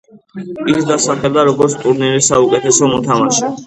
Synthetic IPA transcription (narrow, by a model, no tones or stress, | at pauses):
ikd̪asaχɛld̪aɾɔɡɔɾt̪sʰt̪ʼuɾniɾisaukʼɛt̪ʰɛsɔmɔt̪ʰamaʃɛ